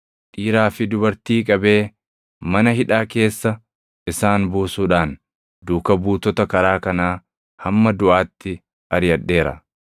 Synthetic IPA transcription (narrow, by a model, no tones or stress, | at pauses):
ᶑʼiːɾaːfɪd̪ʊbɐɾt̪iːkʼɐbe̞ː | mɐnɐɦɪᶑaːke̞ːsːɐ | ʔɪsaːnbuːsuːᶑaːn | d̪uːkɐbuːt̪ɔt̪ɐkɐɾaːkɐnaː | hɐmːɐd̪ʊʔaːt̪ːɪ | ʔɐɾjɐᶑːe̞ːɾɐ̰